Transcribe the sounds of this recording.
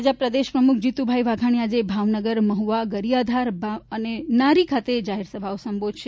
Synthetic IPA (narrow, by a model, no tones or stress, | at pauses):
d͡ʒapɾəd̪eʃpɾəmukʰd͡ʒit̪ubʱaiʋaɡʱaɳ̃iad͡ʒebʱaʋnəɡəɾməɦuʋaɡəɾijad̪ʱaɾbʱaənenaɾikʰat̪ed͡ʒaɦeɾsəbʱaosəmbod̪ʱʃʰe